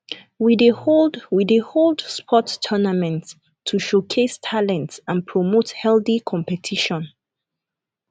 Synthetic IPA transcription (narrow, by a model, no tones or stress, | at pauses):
wideowideholdspʰɔtʰːɜnamɛ̃nt | tʰːuʃokʰestʰalɛ̃ntsãnpʰɹɔmothɛlθikʰɔ̃mpɛtʰiʃɔ̃n